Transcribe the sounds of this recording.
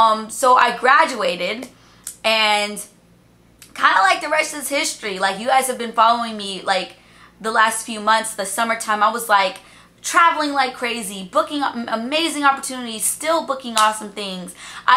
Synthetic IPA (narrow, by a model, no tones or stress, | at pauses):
ʌ̃msoʊʔa̰ɪɡɹæd͡ʒʉeɪɾɪd | ɨ̃n | kʰãɪ̃ndəlaɪk̚ðɨɹɛstʌɨz̥hɪstɹ̥ilaɪkjʉaɪshɨvbɨ̃nfɑlˠoʊɪ̃ŋmilaɪk | ðəlæstfjʉmʌ̃nθsðɨsʌmə˞tʰãɪ̃maɪwʌzlaɪk | tʰɹ̥ævl̩ˠɪ̃ŋlaɪkʰɹ̥eɪzibʊkɪ̃ŋəmeɪzɪ̃ŋɑpə˞tʰʉnɨɾi̥stɪlˠbʊkɪ̃ŋɔsə̃m̩θɪ̃ŋz̥ʔaɪ